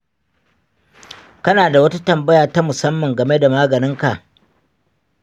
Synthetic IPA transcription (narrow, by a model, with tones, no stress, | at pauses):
kɐ˦naː˨da˨wɐ˦ta˦tɐ˨mbɐ˦ja˨ta˦mʊ˨sɐ˦mːɐ˨ŋɡɐ˨me˦da˨maː˦ɡɐ˨nɪ˦ŋka˨ʔ